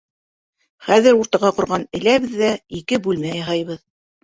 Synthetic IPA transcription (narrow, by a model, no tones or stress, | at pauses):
χæðɘɾuɾt̪ɑʁɑqŏɾʁɑnɘ̆læβɘðːæikɘbʉlmæjɑɦɑjβɤð